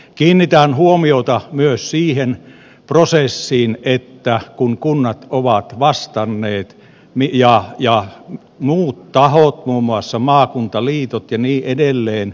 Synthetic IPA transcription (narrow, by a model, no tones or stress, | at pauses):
kiːnːit̪ænhuomiot̪ɑmyøssiːhen | prosesːiːnet̪ːækuŋkunːɑt̪oʋɑt̪ʋɑst̪ɑnːeːt̪ | mijɑjɑ | muːt̪t̪ɑhot̪muːmːuɑsːɑmɑːkunt̪ɑliːt̪ot̪jɑniːʔedelːeːn